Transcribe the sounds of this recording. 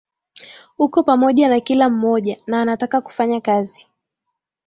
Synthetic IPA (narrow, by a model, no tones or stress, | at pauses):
hukɔpamɔʄanakilam̩mɔʄanaːnatakaku̥faɲakazi